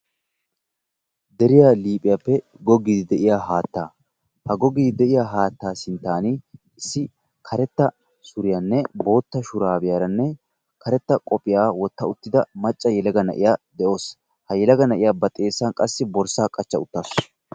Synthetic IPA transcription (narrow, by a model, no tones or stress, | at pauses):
d̪ɛɾɪjaːliːpʼɪjapːɛ | ɡɔɡiːd̪ɪd̪ɛʔɪjaːɦaːt̪ːaː | hɐɡɔɡiːd̪ɛʔɪjaːɦaːt̪ːaːsɪnt̪ːaːnɪ | ɪsːɪ | kʰɐɾɛt̪ːɐ | sʊɾɪjanːɛbo̞ːt̪ːɐʃʊɾaːbɪjaːɾɐnːɛ | kʰɐɾɛt̪ːɐkʼɔpʼːɪjaːwɔt̪ːɐʊt̪ːɪd̪ɐmɐt͡ʃʼːɐjɛlɐɡɐnɐ̰ʔɪ̰jaːd̪ɛo̞ːs | hɐjɛlɐɡɐnɐʔɪjaːbɐt̪ʼe̞ːsːɐnkʼɐsːɪbɔɾsaːkʼɐt͡ʃːɐʊt̪ːaːs